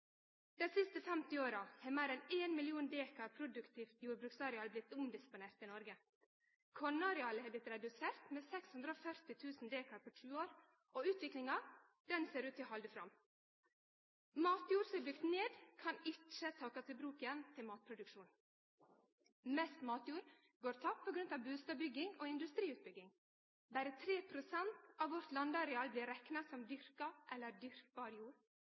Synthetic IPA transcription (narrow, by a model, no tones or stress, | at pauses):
d̪̥ɛsɪst̪əfæmt̪ɪoːɾɑheːmæɪɾɛneːnmɪlɪuːnd̪eːkɑɾpʰɾʊd̪ʉkt̪ʰiːft̪juːɾbɾʉksɑːɾɪɑlblɪt̪ːʊmd̪ɪspʊneːɾt̪iːnɔɾɡə | kʰɔɳɑɾɪɑləhɛːblɪt̪ɾɛd̪ʉseːɾt̪meːsɛkshʉnd̪ɾəoːfœɾt̪ɪt̪ʰʉːsn̩d̪eːkɑɾpɔʂʉːoːɾ | ʔoʉːt̪ʋɪklɪŋɑ | d̪̥ɛnseːɾʉːt̪ʰɪɦɑld̪əfɾɑm | mɑːt̪juːɾsɔɛbd̪ʏkt̪neːd̪kʰɑnɪt͡ʃət̪ʰɑːkɑsɪbɾuːkɪjɛnt̪ʰɪlmɑːt̪̚pʰɾʊd̪ʉkʃuːn | mɛst̪mɑːt̪juːɾ | ɡoːɾt̪ʰɑppʰɔɡɾʉnt̪ɑʋbʉːst̪ɑbʏɡɪŋoːɪnd̪ʉst̪ɾiːʉːt̪̚bʏɡɪŋ | bæɾət̪ʰɾeːpʰɾʊsɛnt̪ɑːʋʋɔɾt̪lɑnd̪ɑɾɛɑːlbliːɾɛknɑsɔmd̪ʏɾkɑʔɛlːəɾd̪ʏɾk̚bɑːɾjuːɾ